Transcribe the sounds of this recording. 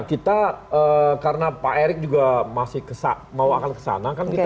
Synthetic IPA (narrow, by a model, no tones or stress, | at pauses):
kit̪aəkaɾənapaʔeɾɪk̚d͡ʒuɡamasɪhkəsa̰ | mawakankə̥sa̰nakankit̪